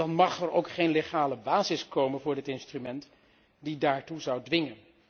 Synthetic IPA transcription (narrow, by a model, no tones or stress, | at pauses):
ɑnmɑχɛɹo̰wkχejnleχaːləbaːzɪskowmənvʊːɹdɪtɪnstrymɛnt | didaːɹtuzɑwdʋɪŋən